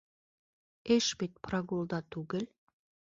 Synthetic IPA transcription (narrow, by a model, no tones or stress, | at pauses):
eʃbit̪̚prɑɡulˠd̪ɑt̪ʉɡɘ̆l